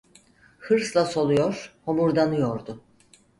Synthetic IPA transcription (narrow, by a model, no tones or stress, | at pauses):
hɯɾslˠaso̞lˠujoɾ̥homuɾd̪anɯjoɾd̪ʊ